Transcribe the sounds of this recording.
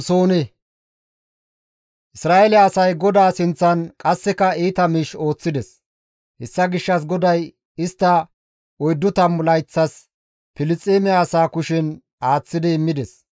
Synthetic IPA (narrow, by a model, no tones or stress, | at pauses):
soːnɛ | ʔɪsɾaːɛlɪːsɐjɡɔd̪aːsɪnt͡sːɐnkʼɐsːɛkɐiːt̪ɐmiːʃo̞ːt͡sːɪd̪ɛs | hɛsːɐɡɪʃːɐs̬ɡɔd̪ɐj | ɪst̪ːɐ | ɔjd̪ːʊt̪ɐmːʊlɐjt͡sːɐs | pɪlɪt͡sʼːeːmɪaːsaːkʊʃɪn | aːt͡sːɪd̪ɪːmːɪd̪ɛs